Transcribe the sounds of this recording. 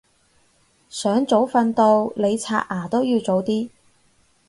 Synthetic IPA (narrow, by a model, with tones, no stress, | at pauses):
sœː˨˥ŋt͡so˨˥wfɐ˧nt̪o˧wle˨˧jt͡sʰa̰ː˧ʔ̚ʔaː˨˩t̪o˥wjiː˧wt͡so˨˥wt̪iː˥